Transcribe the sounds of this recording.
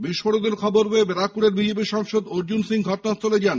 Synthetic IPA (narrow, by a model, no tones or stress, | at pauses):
biʃfoɽod̪eɾkʰɔboɾbeebeɾakkuɽeɾbid͡ʑep̬iʃɔŋʃod̪oɾd͡ʑunsiŋɡʱɔʈonat͡ɕoled͡ʑan